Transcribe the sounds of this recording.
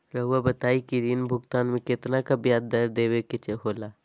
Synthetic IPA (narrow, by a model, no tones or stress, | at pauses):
ɾəɦʊʋabət̪aːikiɾinbʱʊɡt̪aːnmẽket̪nakabjaːd̪d̪aɾd̪eːweket͡ʃeɦoːlaː